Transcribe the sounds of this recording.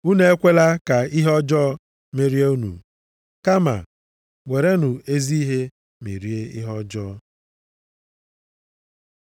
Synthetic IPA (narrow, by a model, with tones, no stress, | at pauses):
u˦ne˦e˦kʷe˦la˦ka˨i˦ɦɔ˦d͡ʒɔː˦ | me˦ɾi˦e˦u˦nṵ˨ | ka˦ma̰˨ | ŋʷe˨ɾe˦nu˨e˦zi˦i˦ɦe˦ | mḛ˨ɾi˦e˦ḭ˦ɦɔ˦d͡ʒɔː˦